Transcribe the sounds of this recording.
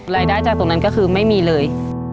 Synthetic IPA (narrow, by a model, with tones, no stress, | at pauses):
ɾaː˧jdaː˥˩jt͡ɕaː˨˩k̚t̪o˧ŋna˦˥nkɔː˥˩kʰɯː˧ma˥˩jmiː˧lɤː˧j